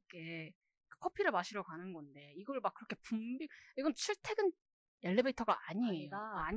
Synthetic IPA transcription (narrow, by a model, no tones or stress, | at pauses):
kʰe | kḁkʰʌpʰiɾɯmaɕʰiɾʌkanɯnɡʌnde̞iɡʌɭmak̚ɯɾʌkʰe̞pumbiiɡʌnt͡ɕʰiɭtʰe̞ɡɯn | e̞ɭːebeitʰʌɡaaɲieoaɲ